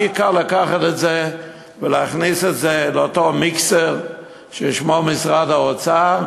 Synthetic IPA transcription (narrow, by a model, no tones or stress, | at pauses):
ikaʁlakaχatɛtze | vəleaχnisɛtzelotomikseʁ | ʃeʃmomɪsʁadaot͡sa